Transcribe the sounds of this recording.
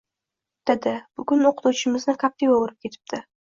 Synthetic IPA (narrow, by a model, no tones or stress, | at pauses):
d̪̥ed̪ɪb̥ʊɡʲʊnoqʰɨ̥t̪ʰut͡ʃʰɪmɪznɪkʰap̚t̪ʰivoʊɾɪp̚kʲʰe̞t̪ʰɪ̥p̚d̪ɪ